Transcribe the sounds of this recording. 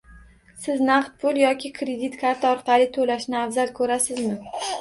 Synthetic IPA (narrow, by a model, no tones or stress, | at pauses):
sɪznɑqt̪̚pʰʊlˠjɒkʲʰɪkʰɾed̪it̪kʰaɾt̪ʰɒɾqɑlɪt̪ʰolaʃnɪafzalkʰɵɾasɪzmɪ